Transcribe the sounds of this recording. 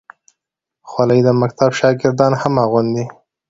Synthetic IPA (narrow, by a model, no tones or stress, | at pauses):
xwaləjd̪əmakt̪abʃɑɡɪɾd̪ɑnhamɑɣʊnd̪i